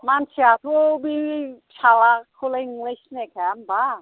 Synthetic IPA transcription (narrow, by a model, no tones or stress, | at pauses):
mant͡ʃʰiat̪ʰobit͡ʃʰalakʰoleiŋliʃnekʰamba